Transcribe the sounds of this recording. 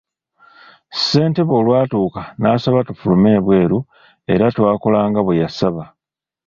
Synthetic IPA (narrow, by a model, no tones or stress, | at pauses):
se̞ːnte̞βo̞ːlwaːtuːkanaːsaβatufulume̞ːβwe̞ːɾu | e̞̰ɾatwaːko̞laːŋɡaβwejasaβa